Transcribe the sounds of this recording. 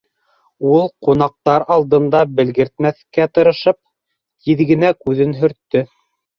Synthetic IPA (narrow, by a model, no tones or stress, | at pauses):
ulˠqunɑq̚t̪ɑɾɑlˠd̪ɤ̆nd̪ɑbɘ̆lɡɘ̆ɾt̪̚mæθkæt̪ɤ̆ɾɤ̆ʃɤp̚ | j̪iðɡɘ̆nækʉðɘnɦɵ̆ɾt̪ːɵ